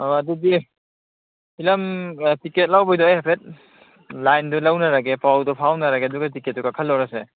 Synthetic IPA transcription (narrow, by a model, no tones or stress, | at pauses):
ɔadudi | pilɐmtiket̚lawbɔjdɔajhepʰet̚ | lajndulawnaɾaɡepawdɔpʰawnaɾaɡeɐduɡatiket̚ːɔkakʰɐlːɔwɾase